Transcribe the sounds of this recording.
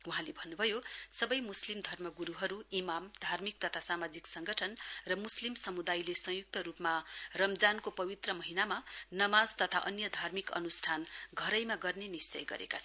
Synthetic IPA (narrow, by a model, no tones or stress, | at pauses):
uɦãlebʱʌnːubʱʌjosʌbʌjmuslimd̪ʱʌrmʌɡuɾuɦʌɾuimamd̪ʱarmik̚t̪ʌt̪ʰasamad͡ziksʌŋɡʌʈʰʌnrʌmuslimsʌmud̪ajlesʌ̃juk̚t̪ʌɾupmarʌmd͡zankopʌbit̪rʌmʌɦinamanʌmad͡zt̪ʌt̪ʰa̰ʔʌnjʌd̪ʱarmikʌ̰nusʈʰanɡʱʌɾʌjmaɡʌrnenist͡sʌ̰jɡʌ̰ɾḛkat͡sʰʌ